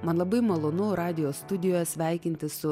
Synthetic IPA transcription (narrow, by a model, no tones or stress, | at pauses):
mɐnlˠɐbɐɪmɐlˠoːnʊɾɑːd̪ʲɪjoːst̪ʊd̪ʲɪjoːjɛsʲʋʲæˑɪkʲɪnʲt̪ʲɪssʊ